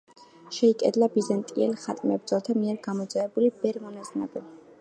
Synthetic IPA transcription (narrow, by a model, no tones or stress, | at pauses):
ʃɛikʼɛd̪labizant̪ʼiɛlχat̪ʼmɛbɾdzɔlˠt̪ʰamiɛɾɡamɔd̪zaɛbulibɛɾmɔnazna̰bɛ